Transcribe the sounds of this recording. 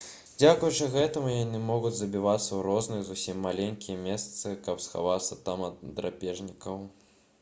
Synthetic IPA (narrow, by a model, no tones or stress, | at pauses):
d͡zʲakujut͡ʂɨɣɛt̪ɐmujanɨmɔɣud͡zʲzɐbʲivat̪sːɐwuɾɔznɨjɐzusʲimːalʲenʲkʲijɛmʲest̪sɨkɐpsxa̰vat̪sːɐt̪amɐd̪ɾa̰pʲɛʐnʲikɐw